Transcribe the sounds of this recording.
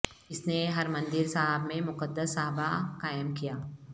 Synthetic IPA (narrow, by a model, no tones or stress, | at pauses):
ɪsneɦɐɾmɐ̃nd̪ɪɾsaɦəbmẽmʊqəd̪ːəsːaɦbaqaːjəmkijaː